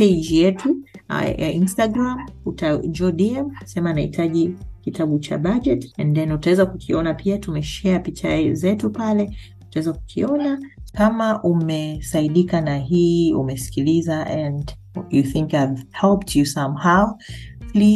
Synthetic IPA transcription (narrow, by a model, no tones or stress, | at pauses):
ɛd͡ʒjɛtṵ | instaɡɾamutad͡ʒɔɗiɛmsɛmanaḭtʰaʄikitʰaɓut͡ʃa̰ɓad͡ʒɛtɛ̃nðɛnutawɛzakukʰiɔnapʰiatumɛʃɛapit͡ʃa̰zɛtupalɛ | utawɛzaku̥kʰiɔnakamaʔumɛsaiɗikanaɦiṵmɛsi̥kilizaʔɛnd | juθiŋkajvhɛlp̚tʰjusãmhawpli